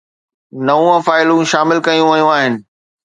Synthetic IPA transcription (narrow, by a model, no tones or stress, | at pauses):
nɐũɐ̃faːɪlũʃaːmɪlkɐjũʋɐjũaːɦɪnɪ̆